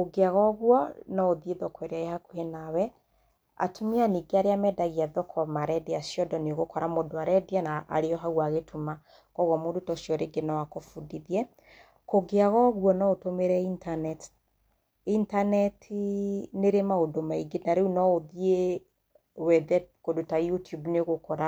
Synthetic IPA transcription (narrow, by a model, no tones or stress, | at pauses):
koɡeaɣɔɣwɔnɔoðieðɔkwɛɾeaehakohenawɛ | a̰tʰumeaniɡeaɾeamɛdaɣiaðɔkʰɔmaɾɛdeasjɔdɔneoɣokɔɾamodoaɾɛdeanaʔːɾeɔɦaɣwaɣetʰuma | kɔɣwɔmodutɔsjɔɾeɡenawakofudiðiɛ | koɡeaɣɔɣwɔnɔotomeɾɛintanɛt | intanɛtʰineɾemaodomaiɡenaɾeunɔoðie | wɛðɛkodotajutjubneɣokɔɾa